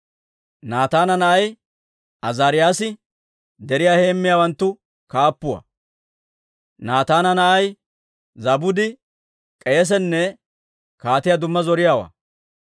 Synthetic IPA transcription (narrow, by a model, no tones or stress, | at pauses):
naːt̪aːnɐnɐʔɐj | ʔɐzaːɾɪjaːsɪ | d̪ɛɾɪjaːhe̞ːmːɪjaːwɐnt̪ːʊ | kaːpːʊwɐ̰ | naːt̪aːnɐnɐʔɐj | zɐbʊd̪ɪ | kʼɛjɛs̬ɛnːɛ | kaːt̪ɪjad̪ʊmːɐzɔɾɪjaːwa̰ː